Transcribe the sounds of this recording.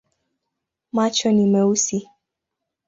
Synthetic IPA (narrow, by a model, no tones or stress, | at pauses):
mat͡ʃɔnimɛusi